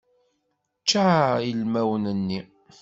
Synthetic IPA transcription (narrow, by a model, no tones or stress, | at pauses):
t͡ʃːaəlmæwənənːi